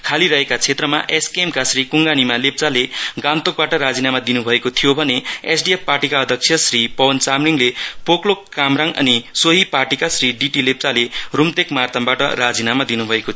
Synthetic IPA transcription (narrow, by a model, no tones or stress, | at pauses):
kʰaliɾʌɦekat͡sʰet̪rʌma̰ʔeskemkasrikuŋɡanimalep̚t͡saleɡant̪ok̚baʈʌɾad͡zinamad̪inubʱʌekot̪ʰijobʱʌneesɖiepparʈikaʌd̪ʱʌk̚sʰjʌsripʌwʌnt͡samriŋlepoklokːamɾaŋʌ̰nisoɦiparʈikasriɖiʈilep̚t͡salerumt̪ekmart̪ʌmbaʈʌ̰rad͡zinamad̪inubʱʌekot̪ʰ